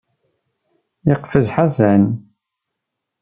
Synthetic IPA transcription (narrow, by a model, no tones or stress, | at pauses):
jəqfəzħazæn